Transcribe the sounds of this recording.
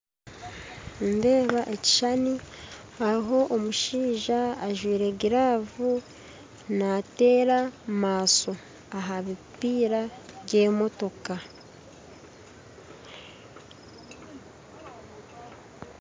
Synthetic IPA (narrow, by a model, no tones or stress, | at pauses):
nde̞ːβaʔe̞ci̥ʃani | aiɦo̞ʔomuʃiːʒaːʒwiːɾe̞ɡiɾaːvu | nate̞ːɾamaːso̞ | aɦamipiːɾaɟe̞ːmo̞to̞ka